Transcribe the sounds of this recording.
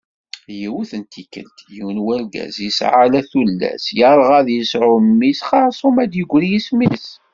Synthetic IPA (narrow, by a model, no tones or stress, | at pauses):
jiwuθənt̪ʰikːə̰lt̪jiwnwælɡæ̰zjəsʕalæθulːæ̰sjəɾˤʁæðjəsʕʊmːisχɑɾsˤomæd̪jəɡʷːɾijismis